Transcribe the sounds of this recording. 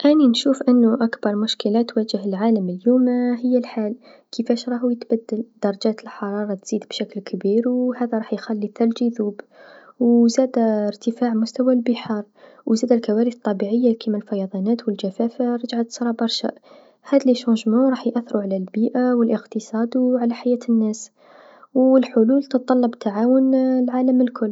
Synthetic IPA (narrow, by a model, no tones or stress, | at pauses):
ʔæninʃufʔənːuʔækb̥ɑɾˤmʊʃkəlæt̪wæʒəɦəlʕaləməljumaɦəjːælħal | kʰəfæʃɾˤɑhujət̪bæd̪ːəld̪̥ɑɾˤɑʒæt̪əlħɑɾˤɑɾˤɑt̪z̥id̪bʃæklkʰbiɾwhæd̪æɾˤɑħjxælːiθɑɾd͡ʒiðub | wzæd̪æəɾt̪əfaʕmʊst̪æwælbəħɑɾˤ | wʔzæd̪ælkæwæɾəθt̪ˤːɑbiʕəjːakimælfɑjɑd̪ˤɑnæt̪wəlkæfæfaɾˤɑd͡ʒʕat̪sˤɾˤɑbɑɾˤʃa̰ | hæd̪lːiʃuʒmuʕɾˤɑːħjʔæθːɾuʕalælbiːʔawəlʔəqt̪əsˤɑd̪wʕalaħajæːt̪ənːæs | wəlħʊlult̪ət̪̚t̪ˤɑlːɑbt̪ʰaʕawʊnlʕaləməlkʰʊlː